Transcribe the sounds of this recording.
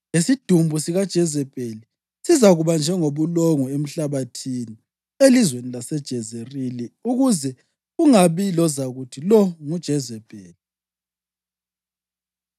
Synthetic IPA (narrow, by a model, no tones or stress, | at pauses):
ŋesid̥ʱumbʱusiɣad̥ʒ̥ʱɛzɛpʼeli | sizaɣuβand͡ʒʱɛŋoβuloŋɔem̩ɬaβatʰini | elizwenilasɛd̥ʒ̥ʱɛzeriliuɣuzɛ | ɣuŋaβilɔzaɣutʰilɔŋud̥ʒ̥ʱɛzɛb̥ʱʼeːli